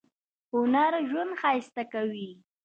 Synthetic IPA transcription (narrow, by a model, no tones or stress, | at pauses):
hʊnaɾʒwand̪xɑjst̪akawi